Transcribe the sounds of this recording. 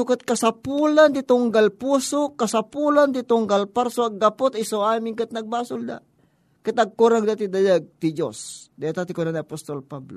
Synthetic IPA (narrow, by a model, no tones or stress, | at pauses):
sukət̪̚kɐsapulant̪it̪uŋɡalpusokːasapulant̪it̪uŋɡalpaɾsoaɡːapot̪isowamiŋkɨt̪̚nɐɡ̚baːsʊld̪a̰ | kɛt̪aɡ̚kuɾaŋd̪at̪id̪ajaɡ̚t̪id͡ʒo̰sd̪ajat̪at̪ikunanapost̪olpablo